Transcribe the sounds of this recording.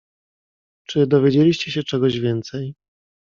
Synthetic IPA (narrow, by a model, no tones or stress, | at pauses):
t͡ʂɘd̪ɔvʲjed͡ʑelʲiɕt͡ɕɛɕɛt͡ʂɛɡɔʑvʲjɛnt̪sɛj